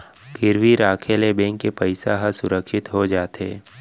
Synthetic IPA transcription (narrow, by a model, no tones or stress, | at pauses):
ɡɪɾʋiɾaːkʰeːlebẽŋkːepəɪsaɦasʊɾəkʃɪt̪ɦod͡ʒaːt̪ɦḛː